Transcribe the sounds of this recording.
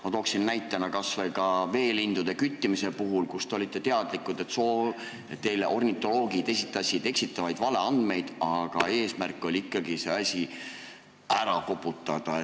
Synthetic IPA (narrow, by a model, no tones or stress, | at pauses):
mɑt̪oːksinːæjt̪ːˑɑnɑkɑsvɑjkɑve̞ːlind̪̥ud̪̥e̞kyt̪ʲːimise̞puɦulkust̪e̞o̞lʲit̪ˑːe̞t̪e̞ɑd̪̥likːˑud̪̥e̞t̪soː | et̪ːe̞jleʔo̞rnʲit̪ːˑo̞lo̞ːɡ̥id̪e̞sit̪ːˑɑsʲid̪̥e̞ksit̪ːˑɑvɑjd̪̥vɑle̞ɑnd̪̥me̞jd̪̥ɑɡ̥ɑe̞ːsmærkːˑo̞lʲiikˑːɑɡise̞̰ɑsʲi | æɾɑkokpˑut̪ːˑɑd̪̥ɑe